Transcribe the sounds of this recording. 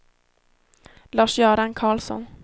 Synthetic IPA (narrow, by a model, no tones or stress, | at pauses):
lɑːʂjœːɾankʰɑːlsɔ̰n